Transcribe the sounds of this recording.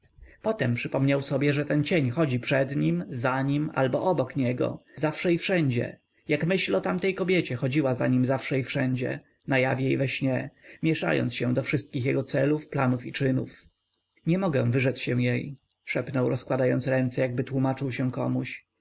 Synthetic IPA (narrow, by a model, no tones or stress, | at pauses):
pɔt̪ɛmpʂɘpɔmɲawsɔbʲjɛʐɛt̪ɛnt͡ɕeɲxɔd͡ʑipʂɛd̪ɲimzaɲima̰lbɔʔɔbɔkɲɛɡɔ̰zafʂɛifʂɛɲd͡ʑɛ̰ | jakmɘɕlɔt̪amt̪ɛjkɔbʲjɛt͡ɕɛxɔd͡ʑiwazaɲimzafʂɛifʂɛɲd͡ʑɛ̰ | najavʲjjejvɛɕɲɛmʲjɛʂa̰jɔ̰nsɕɛ̃d̪ɔfʂɘst̪̚kʲixjɛɡɔt̪sɛlufplanufit͡ʂɘnṵf | ɲɛmɔɡɛ̃vɘʐɛt̪ɕɛw̃jej | ʂɛpnɔwɾɔskwad̪ajɔnsɾɛnt̪sɛjaɡ̚bɘt̪wumat͡ʂɘwɕɛ̃kɔ̰muɕ